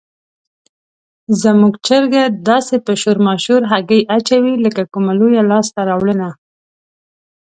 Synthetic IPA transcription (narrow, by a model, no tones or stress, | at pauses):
zəmuɡt͡ʃəɾɡad̪ɑsepəʃoɾmɑʃuɾɦaɡəjʔat͡ʃawiləkakumalojalɑst̪aɾɑwɽəna